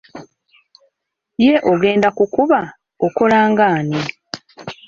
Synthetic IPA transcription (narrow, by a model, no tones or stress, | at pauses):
je̞ʔoɡe̞ːndakukuβa | oko̞laːŋɡaːni